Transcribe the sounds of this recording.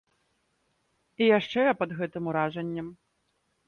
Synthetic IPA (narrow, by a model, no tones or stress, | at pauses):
ijaʂt͡ʂɛɐpɐd̪ɣɛt̪ɨmuɾaʐɐnʲːɐm